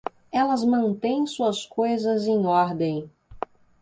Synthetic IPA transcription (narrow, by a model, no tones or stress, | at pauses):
ɛlɐzmɐ̃nt̪ẽj̃suɐskojzɐzẽj̃ɔɾd̪ẽj̃